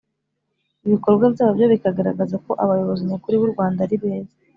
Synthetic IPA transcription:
iβikoɾɡwabjaːβobjoβikaɡaɾaɡazako̞ʔaβajo̞βo̞ziɲakuɾiβuɾɡwaːndaɾiβeːze̥

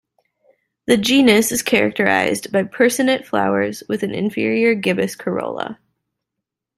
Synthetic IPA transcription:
ðɨd͡ʒĩnɨsɨz̥kʰɛɹɨ̰k̚tʰə˞a̰ɪzbaɪpʰɜ˞sɨnɨtfla̰ʊə˞zwɨðɨ̃nɨ̰̃ɱfɪ̰ɹiə˞ɡɪbɨskʰə˞o̰ʊlˠə̰

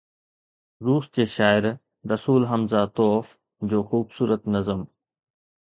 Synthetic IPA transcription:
ɾuːsd͡ʑeːʃaːɪɾ | ɾɐsuːlɦəmzat̪ɔːf | d͡ʑoːxuːbsuːɾət̪nəzəm

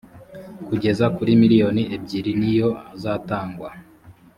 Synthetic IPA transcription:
kuɟe̞zakuɾimiɾijo̞nieb̚ɟiɾinijo̞azaːtaːŋɡwa

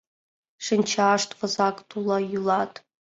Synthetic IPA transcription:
ʂɨnt͡ʃʰaːʂtʰʼvɐzakʼtʰulajylatʰʼ

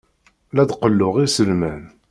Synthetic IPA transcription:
læd̪qəlːʊʁisəlmæn

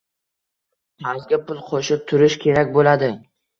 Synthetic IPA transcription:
azɡʲapʰʊlˠqʰoʃɪp̚t̪ʰʊɾɪʃkʲʰe̞ɾakʲbolad̪ɪ

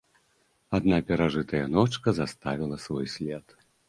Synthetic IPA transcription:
ad̪napʲɛɾaʐɨt̪ɐjɐnɔt͡ʂkɐzast̪avʲilˠɐsvɔjsʲlʲɛt̪

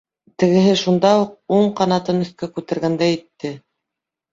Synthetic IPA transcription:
t̪ɘ̆ɡɘ̆ɦɘʃund̪ɑuq̚uɴqɑnɑt̪ɤnɵ̆θkækʉt̪æ̆ɾɡænd̪æjĭt̪ːɘ

